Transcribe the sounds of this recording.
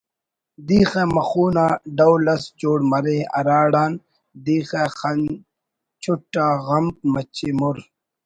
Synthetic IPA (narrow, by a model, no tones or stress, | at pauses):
d̪iːxemɐxuːnaːɖɐwlɐsd͡ʑoːɽmɐɾeːɐ̰ɾaːɽaːn | d̪iːxexɐn | t͡ʃʰʊʈːaːɣɐmp̚mɐt͡ɕʰimʊɾ